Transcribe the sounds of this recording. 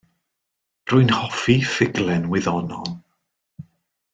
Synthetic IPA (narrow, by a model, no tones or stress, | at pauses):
rʊɨnhɔfifɪɡlˠɛnwɪðɔnɔlˠ